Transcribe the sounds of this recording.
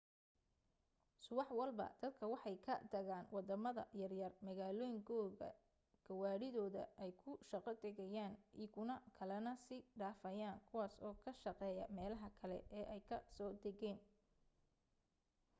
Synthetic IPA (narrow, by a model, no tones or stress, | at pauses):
sʊwɑħwɑlbɐ̰d̪̥ɐd̪̚kʰɐwɑħɑjkʰɐd̪ɐɣaːnwɑd̪ɐmɐðɐ̰jɐrjɐrmɐɣaːlɔːjɪŋkʰɔːɣɐ̰ | ɡ̥ʰɐwaːɽɪðɔːðɐ̰ʔɛjkʰʊʃɑqɐd̪ɛɣɛjaːnʔikʰʊnɐkʰɐlɐnɐsɪɖaːfɐjaːnkʰʊwaːsɔːkʰɐʃɐqɛːjɐmɛːlɐɦɐkʰɐlɛ̰ʔɛːʔɛjkʰɐsɔːd̪ɐɣɛːn